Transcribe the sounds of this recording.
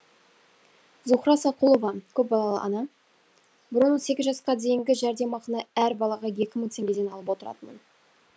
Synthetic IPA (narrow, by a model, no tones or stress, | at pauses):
zuχɾɑsɑqulˠovɑkʲʰɵp̚bɑlˠɑlˠə̰ʔɑ̰nɑ | bɪɾənːənse̞kʲɪzʒɑsqɑd̪e̞jɪŋɡʲɪʒæɾd̪e̞mɑqənɑæɾbɑlˠɑʁɑje̞kʲɪməŋt̪ʲʰe̞ŋɡʲe̞d̪e̞nɑlˠəpwo̞t̪əɾɑ̰t̪əmə̰n